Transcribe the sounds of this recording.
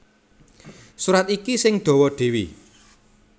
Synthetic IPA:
suɾat̪ikisɪŋɖ̪̥ɔ̤wɔɖ̪̥e̤wḭ

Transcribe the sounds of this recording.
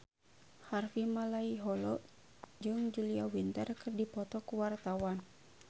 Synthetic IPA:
harfimalaiɦɔlɔʔ | d͡ʒɨŋd͡ʒuliawint̪ərkɨrdipɔt̪ɔkuwart̪awan

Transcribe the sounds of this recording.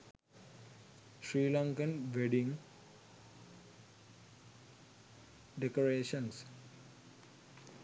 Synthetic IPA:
ʃɾiːlaŋkənʋeɖiŋ | ɖekoɾeːʃəns

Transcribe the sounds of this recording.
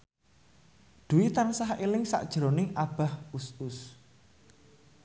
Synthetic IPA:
d̪̥uwit̪ansaɦelɪŋsa̰ʔd̥ʒ̥əɾonɪŋʔab̥a̤husʊs

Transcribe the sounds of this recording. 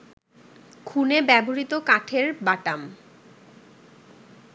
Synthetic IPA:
kʰunebɛboɾit̪okaʈʰeɾbaʈam

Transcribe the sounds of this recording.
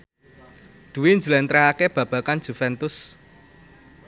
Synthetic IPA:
d̪̥ṳwind͡ʒəlant̪ɾaɦakeb̥ä̤b̥a̤kan̥ʒ̥ṳfɛnt̪ʊs

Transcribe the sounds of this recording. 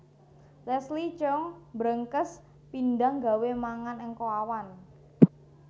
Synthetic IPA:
lɛslit͡ʃɔŋbɾəŋkəs | pindaŋɡa̤wemaŋanɪŋkoawan

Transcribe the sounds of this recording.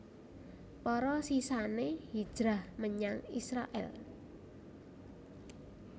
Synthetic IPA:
pɔɾɔsisanehid̥ʒ̥ɾahməɲaŋisɾa̰ʔɛ̰l

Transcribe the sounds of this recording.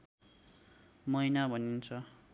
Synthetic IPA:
mʌjnabʱʌnint͡sʰʌ

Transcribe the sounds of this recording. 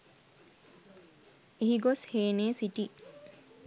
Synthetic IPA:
eɦiɡosheːneːsiʈi

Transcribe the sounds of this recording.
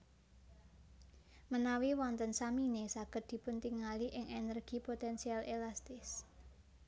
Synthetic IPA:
mənawiwɔnt̪ənsaminesaɡ̥ət̪̚d̪̥i̤pʊnt̪iŋaliʔɪŋʔenərɡ̥ipot̪ɛnsialʔelast̪ɪs

